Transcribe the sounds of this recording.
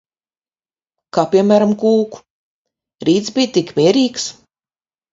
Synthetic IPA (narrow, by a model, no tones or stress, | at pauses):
kaːpʲiɛmæːɾamkuːku̥ | ɾiːt̪sbʲijt̪ikmʲiɛɾiːks